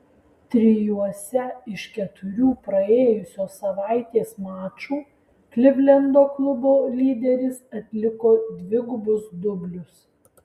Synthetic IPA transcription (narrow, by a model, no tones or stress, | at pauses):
t̪ʲɾʲɪjuɔsʲɛɪʃkʲɛt̪ʊɾʲuːpɾɐeːjʊsʲoːsɐʋɑˑɪt̪ʲeːsmæːt͡ʃuː | klʲɪbʲlʲɛnd̪oːklˠʊboːlʲiːd̪ʲɛɾʲɪsɐt̪ʲlʲɪkoːd̪ʲʋʲɪɡʊbʊsd̪ʊbʲlʲʊs